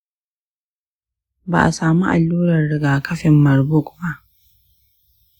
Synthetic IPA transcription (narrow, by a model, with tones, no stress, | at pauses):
ba̰ː˨ʔa̰˨saː˨mṵ˦ʔa˨lːuː˦ɾɐ˨rɽɪ˦ɡaː˨kɐ˦ɸɪ˨mːɐ˨rbʊ˦˨kba˦ʔ